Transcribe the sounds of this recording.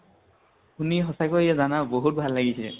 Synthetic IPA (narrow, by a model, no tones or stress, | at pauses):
uniɦɔsakɔiɛzanaboɦut̚bʱalːaɡisɛ̰